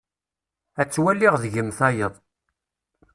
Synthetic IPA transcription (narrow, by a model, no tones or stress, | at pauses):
æt͡sːwælːiʁðʝəmθɑjəðˤ